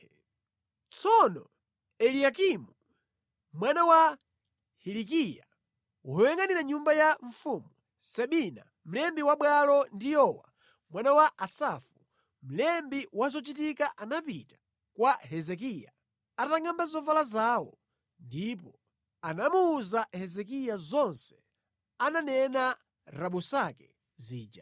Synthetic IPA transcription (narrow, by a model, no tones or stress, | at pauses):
t͡sʰɔnɔ | ɛlijakimu | mwanawa | hilik̬ija̰ | wjɛŋɡaniɾaɲumbajaɱ̩fumu | sɛɓina̰ | m̩lɛmbiwaɓwalɔndijɔwa̰ | mwanawaʔasafu | m̩lɛmbiwazɔt͡ʃitikaʔanapitḁ | kwaɦɛzɛkija | ataŋɡambazɔvalazaːwɔ | ndipɔ | anamuːzahɛzɛk̬ijazɔnsɛ̥ | ananɛna | ɾaɓusakɛ | ziːd͡ʒa